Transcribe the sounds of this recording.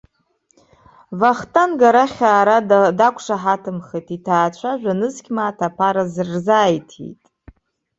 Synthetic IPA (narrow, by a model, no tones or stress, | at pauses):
vaχtʰʼanɡaɾaχʲaːɾadakʷʰʂaħatʰɨmχejtʰitʰaːt͡ʃʷʰaʒᶣʷanɨzkʲmaːtʰapʰaɾazrzaːjtʰḭjtʼ